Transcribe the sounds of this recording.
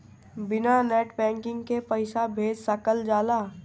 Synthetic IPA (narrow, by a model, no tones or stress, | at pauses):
bɪnanɛːʈbɛ̃ːŋkɪ̃ŋɡkepəɪsabʱeːd͡ʒsəkəld͡ʒaːlaː